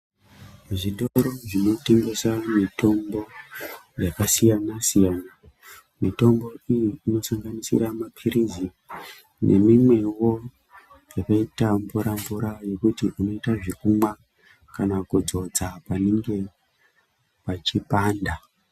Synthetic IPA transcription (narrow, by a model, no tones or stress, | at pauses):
ʐiɗoɾoʐino̞te̞ŋɡe̞samito̞mbo̞ | jakasijanasijana | mito̞mbo̞ijiːno̞saŋɡanisḭɾamapʰiɾizi | nʔe̞̰mimwe̞wo̞ | jakaitambuɾambuɾajo̞kutiʔuno̞itaʐikumwa | kanakud͡zo̞d͡zapane̞ŋɡe̞ | pat͡ʃipaːnda